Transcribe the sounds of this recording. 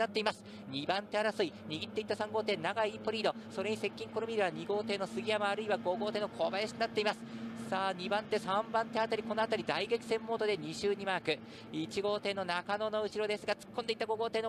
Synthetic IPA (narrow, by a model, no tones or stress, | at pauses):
nat̪ːe̞imasɨ̥ | ɲ̟ibãnt̪e̞aɾasɨiɲ̟iɡʲit̪ːe̞it̪ːasãŋɡo̞ːt̪e̞ːnaɡaiːpoɾʲiːd̪o̞so̞ɾe̞ɲ̟ise̞kʲːĩŋko̞ɾomʲiɾeβaɲ̟iɡo̞ːt̪e̞ːno̞sɨɡʲijamaːɾɯ̟iβaɡo̞ɡo̞ːt̪e̞ːnokʰo̞ːbajaɕi̥k̪inat̪ːe̞imasɨ̥saːɲ̟ibãnt̪ːe̞sãmbãnt̪e̞at̪aɾʲiko̞no̞at̪aɾʲid̪aiɡekʲi̥sẽ̞mːo̞ːt̪o̞d̪e̞ɲ̟iɕɨːɲ̟imaːkɯ̟ | it͡ɕiɡo̞ːt̪e̞ːno̞nakano̞no̞ɯ̟ɕiɾo̞d̪e̞sɨɡat͡sɨ̥kʰːond̪e̞it̪ːaɡo̞ɡo̞ːt̪e̞ːno